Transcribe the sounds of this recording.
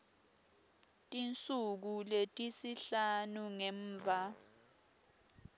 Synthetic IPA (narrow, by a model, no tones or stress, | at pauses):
tʼint͡sʼuk̬uletʼisiɬanuŋɛːɱːvʱa